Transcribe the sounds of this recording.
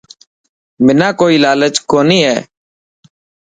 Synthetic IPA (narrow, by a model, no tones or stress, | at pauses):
mɪnãːkoːiːlaːlət͡ʃkoːniːɦɛː